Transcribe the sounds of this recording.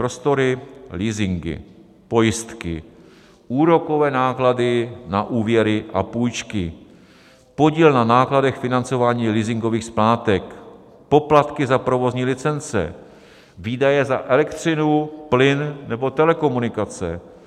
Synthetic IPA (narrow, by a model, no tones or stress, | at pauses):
pɾo̞st̪o̞ɾɪliːzɪŋɡɪ̰ | po̞jɪst̪kɪ̰ | ʔuːɾo̞ko̞vɛːnaːkladɪnaʔuːvjɛɾɪʔa̰puːjt͡ʃkɪ | po̞ɟiːlnanaːkladɛxfɪnant͡so̞vaːɲiːliːzɪŋɡo̞viːxsplaːt̪ɛk | po̞plat̪kɪzapɾo̞vo̞zɲiːlɪt͡sɛnt͡sɛ̰ | viːdajɛzaʔɛlɛkt̪r̥ɪnuplɪnnɛbo̞t̪ɛlɛko̞munɪkat͡sɛ̰